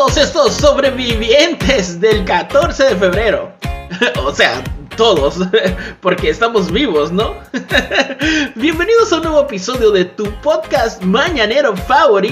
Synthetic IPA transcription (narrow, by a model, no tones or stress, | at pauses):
ðosest̪osːo̞βɾeβiβje̞nt̪ʰe̞zðe̞lkat̪o̞ɾse̞ðe̞fe̞βɾe̞ɾo̞̰ | ose̞a̰t̪o̞ðo̞spo̞ɾke̞ːst̪amo̞zβiβ̞o̞sno̞ | bje̞mbe̞niðo̞saunweβoepiso̞ðjoðe̞t̪upo̞ðkast̪maɲane̞ɾo̞faβoɾi